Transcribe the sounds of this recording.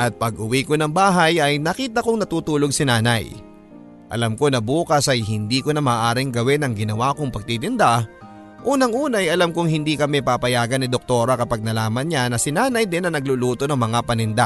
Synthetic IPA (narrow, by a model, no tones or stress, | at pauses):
ʔɐt̪̚pɐɡʔʊwikonɐŋbaːɦɐjɐjnɐkiːt̪ɐkoŋnɐt̪uːt̪uːlo̞ɡ̚sɪnaːnɐ̰j | ʔɐ̰lamko̞nɐbuːkɐsʔɐjɦɪnd̪iːko̞nɐmaːʔaːɾɪŋɡɐwɛnɐŋɡɪnɐwaːkoŋpɐɡ̚t̪it̪ɪnd̪a | ʔuːnɐŋʔuːnɐjʔɐlamkʊŋhɪnd̪ikɐmɛpapɐjaːɡɐnːɪd̪ok̚t̪o̞ːɾɐkɐpaɡ̚nɐlaːmɐnɲanɐsɪnaːnɐjd̪ɪnɐnɐɡ̚luluːt̪o̞nɐŋmɐŋapɐnɪnd̪a